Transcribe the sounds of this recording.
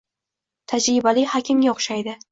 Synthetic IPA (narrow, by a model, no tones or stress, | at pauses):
t̪ʰad͡ʒɾɪbalɪhakʲʰɪmɡʲaoχʃajd̪ɪ